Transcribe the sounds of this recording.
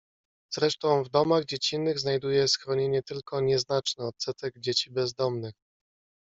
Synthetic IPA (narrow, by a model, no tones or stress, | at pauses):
zɾɛʂt̪ɔ̃w̃vd̪ɔmaɣd͡ʑet͡ɕinːɘɣznajd̪ujɛsxɾɔɲeɲɛt̪ɘlkʰɔɲɛznat͡ʂnɛɔt̪sɛt̪ɛɡd͡ʑet͡ɕibɛzd̪ɔmnɘx